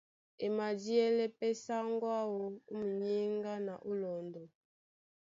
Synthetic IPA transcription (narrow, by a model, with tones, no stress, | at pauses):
e˨ma˨d͡ʒi˦ɛ˦lɛ˦pɛ˦sa˦ŋ˦ɡwa˦wo˨u˦mu˨ɲi˦ŋɡa˦na˨ʔu˦lɔ˨ndɔ˨